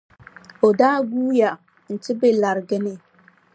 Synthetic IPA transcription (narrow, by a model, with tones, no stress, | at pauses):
o˨daː˦ɡuː˦ja˨ | n̩˨tɪ˦be˦la˨ɾɡɪ˦nɪ˦